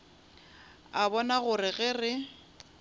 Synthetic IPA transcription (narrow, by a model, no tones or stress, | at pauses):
abɔnaɣʊrɪɣɛrɪ